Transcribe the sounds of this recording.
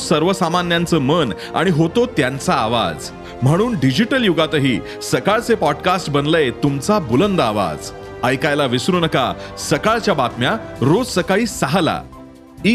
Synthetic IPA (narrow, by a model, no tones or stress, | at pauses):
səɾʋəsamanjant͡səːmən | a̰ɽ̃iɦot̪ot̪jant͡saːʋa̰d͡z | m̤əɽ̃uːnɖid͡ʑiʈəljuɡat̪əɦiː | səkaɭt͡sepɔɖkasʈbənlet̪umt͡sabulənd̪aʋa̰d͡z | əjkajlaʋisɾunəka̰səkaɭt͡ɕjabat̪mjaɾod͡zsəkaɭiːsaɦala̰ | i